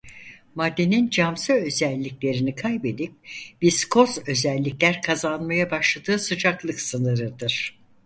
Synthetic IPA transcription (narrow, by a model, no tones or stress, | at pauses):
mad̪ːe̞nind͡ʒamsɯø̞zɛlʲːiklʲe̞ɾinikʰajbe̞d̪ip̚b̥iskʰo̞zø̞zɛlʲːiclʲæɾkʰazanmajabaʃlˠad̪ɯːsɯd͡ʒaklˠɯksɯnɯɾɯd̪ɯɾ̥